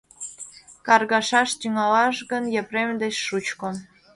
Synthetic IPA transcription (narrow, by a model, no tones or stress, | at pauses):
kɑrɣɑʃɑʃt̪ʲyŋɑlɑʃɣənjepremd̪et͡ɕʃut͡ɕko